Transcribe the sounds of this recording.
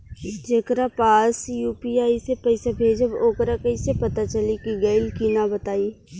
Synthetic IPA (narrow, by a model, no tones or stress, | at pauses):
d͡ʒeːkɾapaːsjuːpiaːisepɐɪsabʱeːd͡ʒɐboːkɾakɐisepɐt̪at͡ʃɐlikiɡɐɪilkinabət̪aːi